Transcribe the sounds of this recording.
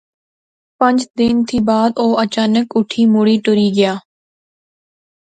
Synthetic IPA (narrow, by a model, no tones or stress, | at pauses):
pə̃ɲd͡ʒd̪ɪnt̪ʰiːbaːd̪oːət͡ʃaːnəkʊʈʰiːmʊɽiːʈʊɾiːɡɪjaː